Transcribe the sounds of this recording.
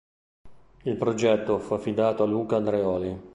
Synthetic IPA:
ilpɾod͡ʒɛt̪ːofuafːid̪aːt̪oaluːkand̪ɾeɔːli

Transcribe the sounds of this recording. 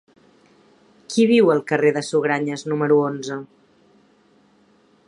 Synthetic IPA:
kiβ̞iwəlˠkəreðəsuɣɾaɲəznuməɾuonzə

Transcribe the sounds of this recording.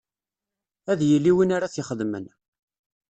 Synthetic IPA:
æðjəlːiwinaɾaθjɪχəðmə̰n

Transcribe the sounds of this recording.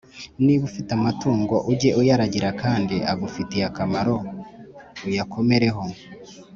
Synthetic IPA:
niβufitamatuːŋɡo̞ʔuɟe̞ʔujaɾaɟiɾakʰaːndiʔaβufitijakamaɾo̞ | ujakʰo̞me̞ɾe̞ɦo̞

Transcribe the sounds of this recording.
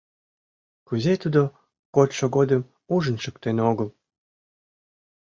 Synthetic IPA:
kyzet̪ud̪o | kot̪ʲʃoɡod̪ə̆m | uʒə̆nʃə̆kt̪enoɡəl

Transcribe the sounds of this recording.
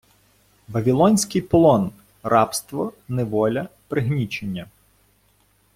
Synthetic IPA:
ʋɐʋʲilˠɔnʲsʲkɪjpɔlˠɔn | rɑpst̪ʋɔneʋɔlʲɐpɾɪɦnʲit͡ʃenʲːɐ

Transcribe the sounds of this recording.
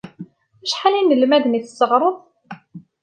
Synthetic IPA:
æʃħalinəlmæðəniθəsːəʁɾˤəðˤ

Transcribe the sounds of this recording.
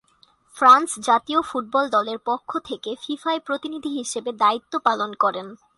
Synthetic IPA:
fɾansd͡ʑat̪iofuʈ̚bɔld̪ɔleɾpokʰːot̪ʰekefifaepɾot̪inid̪ʱiɦiʃebed̪ait̪ːopalonkɔɾen

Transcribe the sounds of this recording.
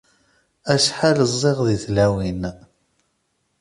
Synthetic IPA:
æʃħaləzˤːeʁðiθlæwin

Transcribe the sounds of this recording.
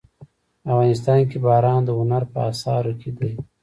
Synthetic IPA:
afɣɑnɪs̬t̪ɑːnkebɑːɾɑːnd̪əʊnaɾpəasɑːɾokʰed̪aj

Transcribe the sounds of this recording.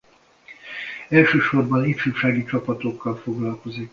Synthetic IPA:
ɛlʃøːʃo̞rbɒnitʃyːʃaːɡit͡ʃɒpɒt̪o̞kːɒlfo̞ɡlɒlko̞zik

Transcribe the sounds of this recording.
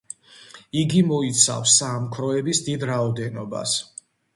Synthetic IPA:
iɡimɔit̪sʰa̰fsːamkʰɾɔɛbisd̪id̪ɾaɔd̪ɛnɔba̰s

